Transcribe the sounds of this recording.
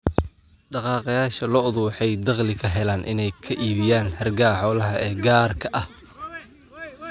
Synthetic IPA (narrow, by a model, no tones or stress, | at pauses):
ɖɑqɑːqɑjaːʃɐlɔʊðuħɛjd̪ɑqlɪkʰɐɦɛlaːnʔɪ̰nɛjkʰɐʔiːβɪjaːnhɐrɡaːħɔːlɐɦɐʔɛːɡaːrkʰɐʔɐh